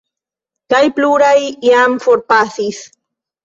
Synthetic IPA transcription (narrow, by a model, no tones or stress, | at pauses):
kajpluɾajjamfoɾpasis